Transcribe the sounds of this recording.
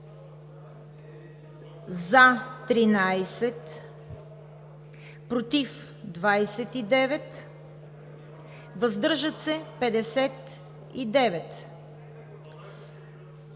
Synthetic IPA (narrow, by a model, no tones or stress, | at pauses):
zat̪ɾinajsɛt̪ | pɾot̪if | d̪vajsɛt̪id̪ɛvɛt̪ | vəzd̪ɤɾʒət̪sɛpɛd̪ɛsɛt̪ | id̪ɛvɛt̪